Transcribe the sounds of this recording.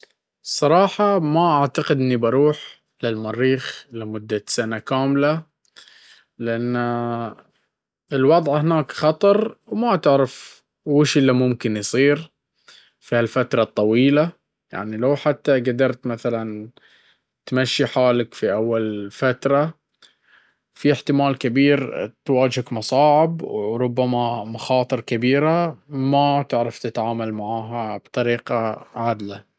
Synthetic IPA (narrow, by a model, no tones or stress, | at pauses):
sˤːɑɾˤɑːħɑmaʔaʕt̪aqɪd̪ʔɪnːibɑɾˤuːħ | lɪlmɑɾːiːxlamʊd̪ːasanakaːmla | lɪʔanː | ɪlwɑd̪ˤʕhɪnaːkxɑt̪ˤɑɾˤwmat̪ɪʕɾɪf | wɪʃɪlːamʊmkɪnjsˤiːɾ | fihalfat̪ɾˤɑt̪ˤːɑwiːla | ja̰ʕnilawħat̪ːaɡad̪ɑɾˤt̪maθalan | t̪maʃːiħaːlakfiʔawːalfat̪ɾˤɑ | fiɪħt̪ɪmaːlkabiːɾt̪waːd͡ʒhakmɑsˤɑːʕɪbwɾˤʊbːamamaxɑːt̪ˤɨɾˤkabiːɾamat̪ɪʕɾɑft̪ɪt̪ʕaːmalmaʕaːɦab̥t̪ˤɑɾiːqɑʕad̪la